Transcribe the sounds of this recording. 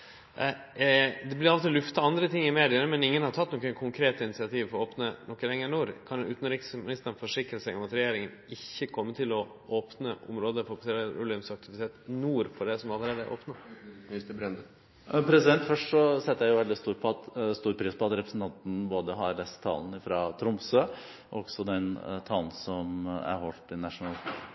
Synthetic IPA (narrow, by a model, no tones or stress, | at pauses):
d̪ɛblɪɾɑʋt̪ʰɪlʉft̪ɑɑnd̪ɾət̪ʰɪŋːɪmeːd̪ɪənəmɛnɪŋːənhɑɾʈ̪ʰɑt̪nɔkːəkʰʊŋkʰɾeːt̪əɪnɪsɪɑt̪ʰiːʋfɔɾɔoːpnənʔɔkːəlɛŋːənuːɾkʰɑnʉːt̪n̩ɾiksmɪnɪst̪əɾn̩fɔʂɪkɾəsæɪɔmɑt̪ɾɛjeːɾɪŋənɪçːəkʰɔmːət̪ʰɪlɔ | oːpnəʔʊ̰mɾoːd̪əfʊkseːɾɾʊləʉmsɑk̚t̪ɪʋɪt̪ʰeːt̪nuːɾfɔɖɛsɔmɑlːəɾeːd̪əæ̰ɾʔo̰ːpnəɪsbɾɛd̪ə | pʰɾɛsɪd̪ɛnt̪fœʂʈʂɔsɛt̪ːəjæɪjʊʋɛld̪ɪst̪uːɾpʰɔɑt̪st̪uːɾpʰɾiːspɔɑt̪ɾɛpɾəsn̩t̪ʰɑnt̪n̩boːd̪əɦɑɾlɛst̪ʰːɑ̰ːln̩ɪfɾɑːt̪ʰɾʊmsøː | ʔɔɡ̥sɔd̪ɛnt̪ʰɑːln̩sɔmæ̰ɾhɔlt̪ɪnɑʂʊnɑːl̰